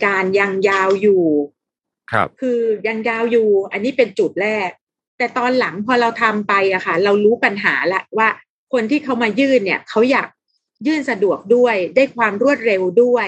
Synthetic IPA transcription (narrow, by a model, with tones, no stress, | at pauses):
kaː˧nja˧ŋjaː˧wjuː˨˩ | kʰɯː˧ja˧ŋjaː˧wjuː˨˩ʔa˧nːiː˦˥pe˧nt͡ɕuː˨˩t̪̚ɾɛː˥˩k̚ | t̪ɛː˨˩t̪ɔː˧nla˩˦ŋpʰɔː˧ɾa˧wt̪ʰa˧mpa˧jʔa˨˩kʰa˥˩ɾa˧wɾuː˦˥pa˧nɦaː˩˦lɛ˦˥ʔwaː˥˩ | kʰo˧nt̪ʰiː˥˩kʰa˦˥wmaː˧jɯː˥˩nːi˥˩ɐkʰa˦˥wjaː˨˩k̚ | jɯː˥˩nsa˧du˨˩ək̚du˥˩əjdaː˥˩jkʰwaː˧mɾu˥˩ət̪̚ɾe˧wdu˥˩ə